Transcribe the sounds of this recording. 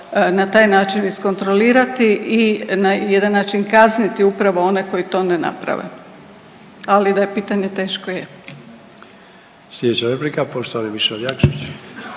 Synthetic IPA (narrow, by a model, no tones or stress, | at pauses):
nat̪aːjnaːt͡ʃinisko̞nt̪ɾoliːɾat̪iʔinajed̪anːaːt͡ʃinkaznit̪iupɾaʋoo̞neko̞jit̪o̞ːnena̰pɾa̰ʋḛ | alid̪ajepiːt̪aɲe̞t̪e̞ːʃkoje | slʲed̪et͡ɕaɾepɾikapoʃt̪ooniʋiʃeobjakt͡ʃut͡ʃ